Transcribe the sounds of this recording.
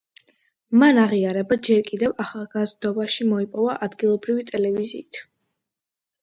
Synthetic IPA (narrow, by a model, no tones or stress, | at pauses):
manaʁiaɾɛbad͡ʒɛɾkʼid̪ɛvaχalˠɡazd̪ɔbaʃimɔipʼɔvaʔad̪ɡilˠɔbɾivit̪ʼɛlɛvizḭːt̪ʰ